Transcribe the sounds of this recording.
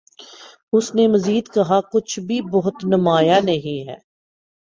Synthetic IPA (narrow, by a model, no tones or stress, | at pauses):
ʊsnemɐziːd̪kɐɦakʊt͡ʃʰbʱibɔɦʊt̪nɐmaːjanɐɦĩɦɛ̰ː